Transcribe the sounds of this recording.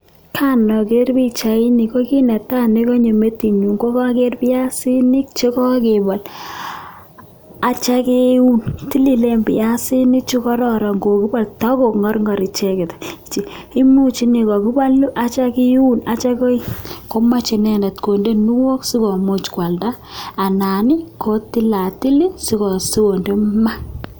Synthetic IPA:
kʰa˦nɔ˨ke˦rbi˦t͡ʃa˨i˦ni˨ko˦ki˦nɛ˨ta˦ne˦ko˦ɲe˨me˦ti˨ɲu˨ŋɡo˦ka˦ke˦rpɪ˦a˦si˦ni˦k̚t͡ʃe˦kɔ˦ke˨bɔ˨l | a˨t͡ʃa˦ke˦u˦nti˦li˨le˦mbɪ˨ja˦si˦ni˦k̚t͡ʃi˦kɔ˦ɾɔ˦˨ɾɔ˨ŋɡo˨ki˦ba˦˨ltɔ˦ko˨kŋɔ˦ɾŋɔ˨ɾi˨t͡ʃɛ˦ke˨tt͡ʃi˨i˦mu˦t͡ʃi˦ni˨kɔ˨ki˦ba˦lu˦ʔa˨t͡ʃa˦ki˦u˦nat͡ʃa˦kɔ˦i˦ko˦ma˦t͡ʃe˨nɛ˨nɛ˨tko˨nde˦nu˦wo˦ksi˦kɔ˨mo˦t͡ʃkwa˨lda˦ | a˨na˨ni˦kʰo˦ti˦la˨ti˦li˦si˦kɔ˨su˦ko˨nde˦ma˦

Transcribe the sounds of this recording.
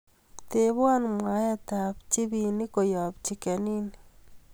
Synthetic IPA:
te˦βwa˦nmwa˨˦ja˦ta˨pt͡ʃi˦bi˨ni˦ko˨jɔ˨p̚t͡ʃi˨kɛ˨ni˦ni

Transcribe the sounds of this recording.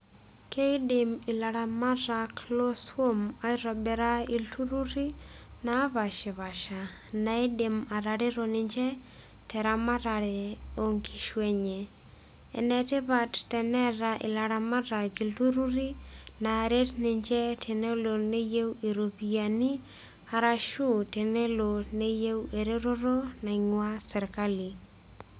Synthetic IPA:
ke˦ɪ˦dɪ˨mɪ˨la˨ɾa˨ma˦ɾa˨klo˦swo˦ma˦ɪ˦ɾɔ˨bɛ˨ɾa˦i˨lu˦ɾu˦ɾi˦na˦βa˨ʃɪ˨βa˨ʃa˨ | na˨i˦de˨ma˨ɾa˨ɾɪ˦ɾo˨nɪ˨ɲd͡ʒɛ˦ | tɛ˨ɾa˦ma˦ɾa˨ɾɪ˨o˨ŋki˨ʃwe˦ɲe˨ | ɛ̰˨nɛ˨tɪ˦ba˦ttɛ˨nɛ˦ɾa˨ʔɪ̰˨la˨ɾa˨ma˦ɾa˨ɡi˨ltu˦ɾu˦ɾi˦na˨ɾe˦tnɪ˨ɲd͡ʒɛ˦tʰe˨ne˦lo˨ne˦je˦we˨ɾo˨pi˨a˨ni˦ | a˨ɾa˦ʃu˦te˨ne˦lo˨ne˦je˦we˨ɾe˦ɾo˦ɾo˦na˨ɪŋwa˦sɛ˨ɾka˦li˨

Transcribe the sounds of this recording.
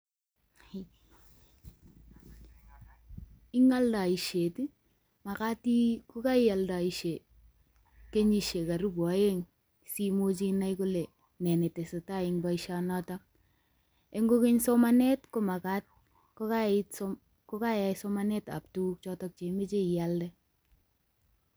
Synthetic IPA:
i˦ŋa˦lda˨i˨ʃe˨ti˦ | ma˨ka˦ti˦kʊ˦ka˦ɪ˦a˨lda˨i˨ʃe˨ | ke˦ɲi˨ʃe˨ka˨ɾu˦ba˨je˦ŋ | si˦mo˦t͡ʃi˦na˦jku˦le˨ | nɛ˨ne˨te˨se˨ta˦ɪ˨ŋba˦iʃa˦nɔ˦ta˦ | e˦ŋɡo˦ki˦ɲso˦ma˦nɛ˦tko˦ma˨ka˦t̚ | ko˦ka˦ | ko˦ka˦ja˨so˦ma˦nɛ˦ta̰˨p̚tu˦k̚t͡ʃɔ˦tɔ˦k̚t͡ʃe˨˦me˦t͡ʃe˦i˨ja˦ldɛ˦

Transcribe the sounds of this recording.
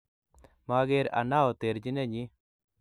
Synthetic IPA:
ma˦ɡe˦ɾa̰˨na˦o˨t̪e˨ɾd͡ʒi˦nɛ˦ɲi˦

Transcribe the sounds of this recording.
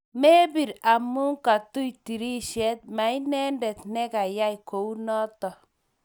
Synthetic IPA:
me˦bi˨ɾa˨mu˦ŋka˨tu˦jti˨ɾi˦ʃɛ˦t̪̚ma˨i˦nɛ˦ndɛ˨t̪nɛ˦ka˨ja˦jko˨u˦nɔ˦tɔ˨

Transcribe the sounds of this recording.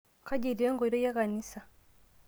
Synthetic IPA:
ka˦ɟi˨ɾi˨ɾe˦ŋɡo˨i˨ɾo˦ja˦ka˨ni˦sa˨

